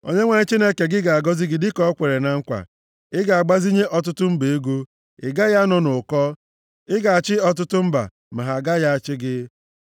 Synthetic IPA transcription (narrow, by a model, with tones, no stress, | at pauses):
o̰˦ɲe˦ŋʷa˨ɲe˦t͡ʃi˦ne˦ke˨ɡɪ˦ɡa˨a˨ɡɔ˦zi˦ɡɪ˦dɪ˦kɔ˦ɔ˦kʷe˨ɾe˨na˨ŋ̩˦kʷa̰˨ | ɪ˦ɡa˨a˨ɡ͡ba˦zi˦ɲe˦ʔɔ˦t̬ʊ˦tʊ˦m̩˦be˨e˦ɡu˦ | ɪ˨ɡa˦ja˦nɔ˨nʊ˨kɔ˦ | ɪ˦ɡa˨a˨t͡ʃɪ˦ɔ˦t̬ʊ˦tʊ˦m̩˦ba̰˨ | ma˨ɦa˨ɡa˦ja˦a˨t͡ʃɪ˦ɡɪ˦